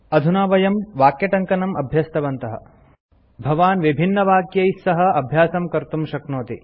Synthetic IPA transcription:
ɐd̪ʱunaːʋɐjɐmʋaːkjɐʈɐŋkɐnɐmɐ̰bʱjɐst̪ɐʋɐnt̪ɐɦɐ̰ | bʱɐʋaːnʋibʱinːɐʋaːkjɐjsɐɦɐ̆ɐbʱjaːsɐmkɐɾt̪umʃɐknoːt̪i

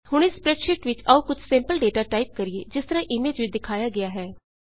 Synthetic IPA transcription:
hʊɽ̃ɪspɾɛʈʃɪʈʋɪt͡ʃəuːkʊt͡ʃʰsẽmpəlɖeːʈaːʈaːip̚kəɾieːd͡ʒɪst̪əɾãːʔɪmeːd͡ʒʋiːd̪ɪkʰaːjaːɡɪaːɦɛː

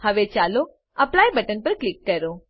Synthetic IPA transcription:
həʋet͡ʃaːlo | ɐplaːjbəʈənpəɾklɪkːəɾo

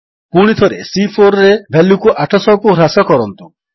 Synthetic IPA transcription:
puɽ̃it̪ʰɔɾḛsipʰoɾɔɾebʱɛlukuʔaʈʰɔsɔɦɔkuɾasɔkɔɾɔnt̪u

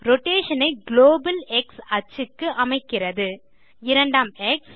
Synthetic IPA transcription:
ɾɔʈːeːʂɐnɐɪɡloːbɐlɛksɐt͡ʃːɯkːɯʔɐmɐɪkːɪrɐðɯ | ɪɾɐɳɖaːmɛks

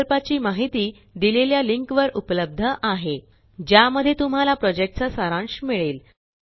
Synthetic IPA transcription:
lpat͡ɕiːmaɦit̪iː | d̪ileljaliŋkʋəɾupləb̚d̪ʱəʔaɦe | d͡ʑjaməd̪ʱjet̪um̤alapɾɔd͡ʑek̚ʈ̚t͡sasaɾãɳɕmiɭeːl

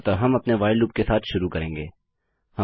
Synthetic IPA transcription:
t̪aɦɐmɐpneʋaːɪluːp̚kesaːt̪ʰʃʊɾukɐɾẽːŋɡeː | hɐ

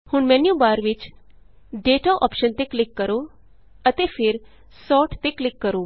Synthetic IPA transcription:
hʊɳmɛ̃ːnjubaːɾʋɪt͡ʃ | ɖeːʈaːʔɔ̰ːpʃənt̪eklɪkːəɾoː | ət̪epʰɪɾ | sɔːʈt̪eklɪkːəɾoː

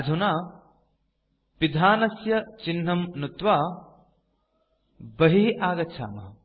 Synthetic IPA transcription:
ɐd͡ʒ̪ʱunaː | pid̪ʱaːnɐsjɐt͡ʃinɦɐmnut̪ʋaː | bɐɦiʔaːɡɐt͡ʃʰa̰ːmɐɦɐ

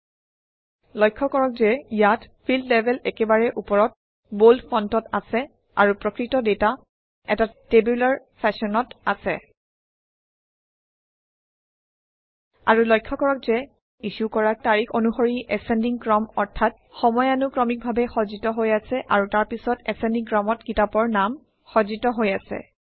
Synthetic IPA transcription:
lɔjkʰːɔkɔɹɔk̚zɛjatpʰildlɛbʱɛlɛkɛbaɹɛʔupɔɹɔt̚ | boldpʰɔntɔtasɛ | aɹupɹɔkɹitɔdeta | ɛtatebjulaɹ | pʰɛsɔnɔtasɛ | a̰ɹulɔjkʰːɔkɔɹɔk̚zɛ | isukɔɹak̚taɹixʰonuxoɹiʔɛsɛndiŋkɹɔmɔɹtʰat̚ | xɔmɔjanukɹɔmik̚bʱabɛxɔzitɔɦojasɛʔaɹutaɹpisɔtɛsɛndiŋkɹɔmɔtkitapɔɹnam | xɔzitɔɦojasɛ̰

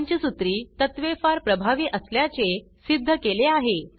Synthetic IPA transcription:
ɲt͡ɕiːsut̪ɾiːt̪ət̪ʋefaɾpɾəbʱaʋiːʔəsljat͡se | sid̪ʱːəkeleaɦe

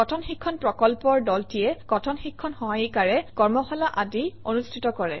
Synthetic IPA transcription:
kɔtʰɔnxikʰːɔnpɹɔkɔlpɔɹdɔltijɛkɔtʰɔnxikʰːɔnxɔɦajikaɹɛkɔɹmɔxɔlaʔadionustʰitɔkɔɹɛ̰

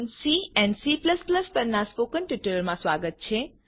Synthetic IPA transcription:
siɛ̃nɖsipləspləspəɾnaspoːkənʈiʈəlmãsʋaɡət̪̚t͡ʃʰe

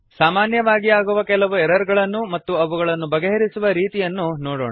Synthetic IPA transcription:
saːmaːnjɐʋaːɡiaːɡuʋɐkɛlɐʋuɛɾɐɾɡɐɭɐnːumɐt̪ːuɐʋuɡɐɭɐnːubɐɡeɦɐɾisuʋɐɾiːt̪ijɐnːunoːɽoːɳɐ

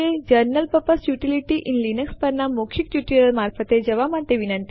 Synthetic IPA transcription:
ed͡ʒəɾnəlpəpəsjuʈiliʈiʔinlinəkspəɾnamokʰikuʈiɾəɾmaɾfət̪ed͡ʒəʋamat̪ːeʋinənt̪i

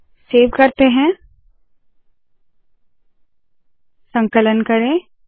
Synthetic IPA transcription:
seːʋkɐɾt̪eɦɛ̃ | sə̃ŋkələnkɐɾẽː

